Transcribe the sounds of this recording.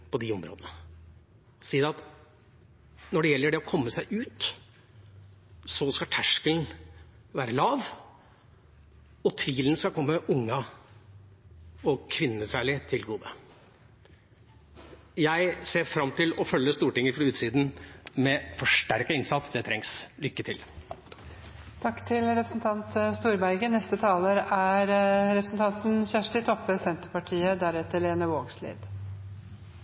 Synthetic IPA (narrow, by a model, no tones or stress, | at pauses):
pɔd̪ɪʊmɾo̰ːd̪ənə | siːəd̪ɛɑt̪ | nɔɖɛjɛlːəɖɛɔkʰɔmːəsæɪʔʉːt̪ | sɔskɑt̪ʰæʂkəln | ʋæːɾəlɑːʋ | ɔt̪ʰʋiːlənskɑlkʰɔmːəʔʊŋːɑ | ɔkʰʋɪnːəsæːɭɪt̪ʰɪlɡuːd̪ə | jæɪseːɾfɾɑmt̪ʰɪlɔfœlːəst̪uːʈɪŋːəfɾɑʉːt̪siːd̪n̩mɛfɔʂʈæɾkəɪnsɑt̪sd̪ɛt̪ʰɾɛŋslʏkːət̪ʰɪl | t̪ʰɑkːt̪ʰɪlɾɛpɾəsn̩t̪ʰɑnt̪st̪uːɾbæɾɡənɛst̪ət̪ʰɑːləɾæɾɾɛpʰɾəsn̩t̪ʰɑnt̪n̩çæːʂʈɪt̪ʰɔpːəsɛnt̪əɾpɑʈʰiːəd̪æɾɛt̪ːəɭeːnəʋoːɡslḭːd̪